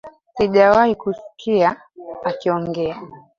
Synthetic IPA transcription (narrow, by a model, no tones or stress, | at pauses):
siʄawaikusi̥kʰia | akiɔŋɡɛa